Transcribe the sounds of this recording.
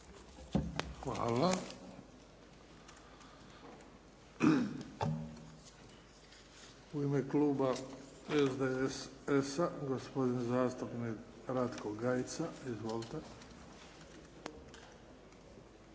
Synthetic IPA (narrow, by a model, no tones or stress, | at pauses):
xʋa̰ːla | uimekluːba | ezd̪eesaɡospo̞d̪inzaːst̪upnik | ɾat̪koɡɡajt̪saizʋolt̪e